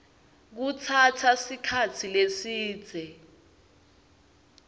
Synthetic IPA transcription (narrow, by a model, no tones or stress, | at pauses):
k̬ut͡sʰatʰasikʰat͡sʰilesiːd̥z̥ʱɛ